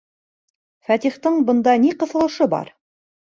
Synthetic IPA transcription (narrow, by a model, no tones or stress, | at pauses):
fæt̪iχt̪ɤɴbɤ̆nd̪ɑniqɤ̆θɤ̆lˠɤ̆ʃɤbɑ̰ɾ